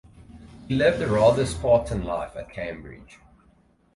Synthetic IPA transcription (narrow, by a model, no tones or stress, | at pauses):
hilɛvðəɹɑðəspʰɑˑtʰə̃nla̰ɪfət̚kʰẽɪ̃mbɹɪ̰d̥d͡ʒ̥